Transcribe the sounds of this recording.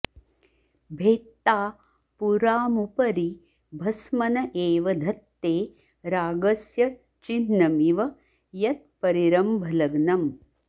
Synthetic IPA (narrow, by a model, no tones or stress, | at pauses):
bʱeːt̪ːaː | puɾaːmupɐɾi | bʱɐsmɐnɐʔeːʋɐd̪ʱɐt̪ːeː | ɾaːɡɐsjɐ | t͡ʃinːɐmiʋɐ | jɐt̪̚pɐɾiɾɐmbʱɐlɐɡnɐm